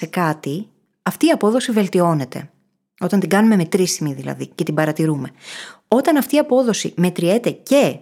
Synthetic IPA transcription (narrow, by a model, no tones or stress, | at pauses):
se̞kɐt̪i | ɐft̪iːɐpo̞ðo̞sive̞lt̪io̞ne̞t̪e̞̰ | o̞t̪ɐnt̪iɡɐnume̞me̞t̪ɾisimiðilɐ̰ðice̞t̪ibɐɾɐt̪iɾume̞o̞t̪ɐnɐft̪iːɐpo̞ðo̞sḭme̞t̪ɾie̞t̪e̞ce̞